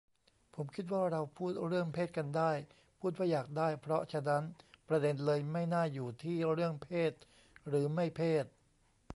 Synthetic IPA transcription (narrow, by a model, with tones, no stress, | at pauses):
pʰo˩˦mkʰi˦˥t̪̬̚waː˥˩ɾa˧wpʰuː˥˩t̪̚ɾɯ˥˩əŋpʰeː˥˩t̪̚ka˧ndaː˥˩j | pʰuː˥˩t̪̚waː˥˩jaː˨˩k̚daː˥˩jpʰɾɔ˦˥t͡ɕʰa˧˥˩na˦˥npɾa˧de˧nlɤː˧jma˥˩jnaː˥˩juː˨˩t̪ʰiː˥˩ɾɯ˥˩əŋpʰeː˥˩t̪̚ | ɾɯː˩˦ma˥˩jpʰeː˥˩t̪̚